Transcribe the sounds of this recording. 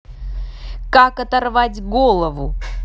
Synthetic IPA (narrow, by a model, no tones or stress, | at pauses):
kakɐt̪ɐrvatʲɡolˠəvʊ